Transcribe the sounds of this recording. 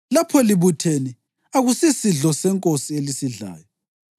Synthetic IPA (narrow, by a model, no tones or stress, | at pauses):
lapʰɔliβutʰeni | aɣusisiɮɔsɛŋkʼosielisiɮa̰ːjɔ